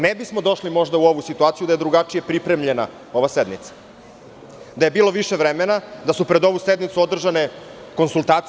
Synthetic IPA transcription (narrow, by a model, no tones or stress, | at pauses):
nebismo̞d̪o̞ʃlimo̞ʒd̪auo̞ʋusit̪uaːt̪sijud̪aje̞d̪ɾuɡat͡ʂije̞pɾipɾe̞mʎe̞na | o̞ʋased̪nit̪sḁ | d̪ajebiːlo̞ʋiʃeʋɾemenad̪asupɾed̪o̞ʋused̪nit̪suo̞d̪r̩ʒane̞ | ko̞nsulˠt̪aːt̪